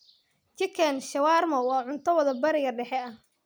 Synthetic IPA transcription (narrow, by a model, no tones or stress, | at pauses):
t͡ʃɪkʰɛnʃɐwaːrmɐwɑːʕʊnt̪ʰɐwɐðɐbɐɾɪɣɐɖɛħɛɐh